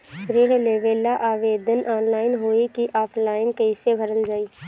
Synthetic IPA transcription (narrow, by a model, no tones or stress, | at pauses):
ʃɾɪɽleːʋeːlaʔaːʋeːd̪ʱənʔaːnlaːɪnɦoːikiʔaːpʰlaːɪnkəɪsebʱəɾəld͡ʒaːiː